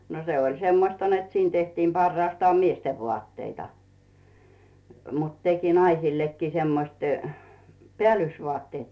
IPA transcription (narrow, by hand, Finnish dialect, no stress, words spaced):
no se olʲ semːostɑ net siːn tehtiːm pɑrːɑːstɑːm miesteʋ ʋŏɑˑtːeitɑ mut teki nɑisilːekːiː semːosiː peæˑlːysʋŏɑˑtːeːt